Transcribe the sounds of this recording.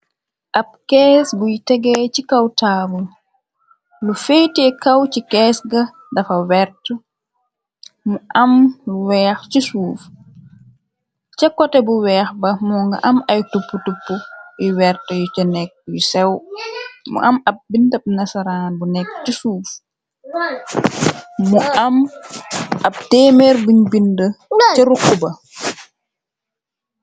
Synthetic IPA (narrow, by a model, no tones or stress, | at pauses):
ʔap̚kɛsɡujtɛɡɛt͡ʃikawtaːbul | lufejtɛkawt͡ʃikɛsɡa | dafawɛɾtɔ | mɔʔamwɛːxt͡ʃisuːf | t͡ʃɛkːɔtɛbuwɛːxbamɔŋɡa̰ʔamajtupːutupːuiwɛɾtɛjut͡ʃɛnɛk̚jusɛw | mṵʔɐmɐp̚bintɐb̚nɐsaɾaːnbunɛkːt͡ʃisuːf | muɐm | ɐp̚tɛːmɛɾbuɲbindəɛɾukːubɐ